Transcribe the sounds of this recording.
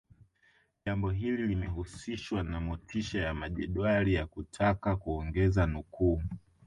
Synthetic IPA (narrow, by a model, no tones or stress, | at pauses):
ʄambɔɦililimɛhusiʃwanamɔtʰiʃajamaʄɛɗwalijakutʰakakuɔŋɡɛzanukuː